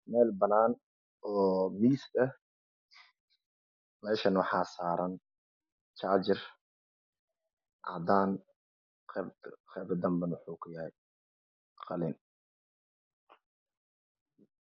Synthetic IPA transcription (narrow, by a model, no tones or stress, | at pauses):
mɛːlbɐnaːn | ɔːmiːsɐ | mɛːʃɐnwħaːsaːɾɐn | t͡ʃaːd͡ʒɪr | ʕɑ̰d̪aːn | qbqɛbd̪ɐmbɐnwʊħuːkʰʊjɐhɛj | qɑlɪn